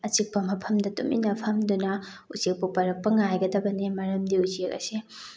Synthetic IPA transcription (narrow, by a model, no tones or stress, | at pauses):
ɐt͡ʃik̚pɐmɐpʰɐmdɐtumḭnɐpʰɐmdunɐ | usek̚pupɐɾɐk̚pɐŋajɡɐdɐbɐnimɐɾɐmdiusekɐ̰si